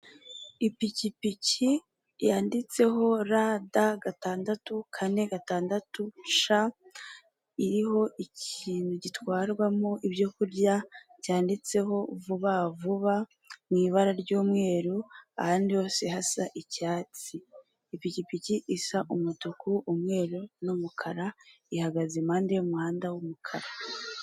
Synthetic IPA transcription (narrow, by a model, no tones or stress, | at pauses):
ipicipici | jaːndit͡se̞ɦo̞ɾadaɡataːndatukʰane̞ɡataːndatuʃa | iɾiɦo̞ʔiciːnhuɟitwaːɾɡwamoʔibɟo̞kuɾɟa | ɟ̥aːndit͡se̞ɦo̞vuβavuβa | mŋiːβaɾaɾɟuːmŋe̞ːɾuahaːndijo̞ːse̞hasaʔicaːt͡siː | picipiciʔisaʔumutukuʔːmŋe̞ːɾunumukʰaɾa | ihaɡazemaːndejomŋŋaːndawumukʰaɾa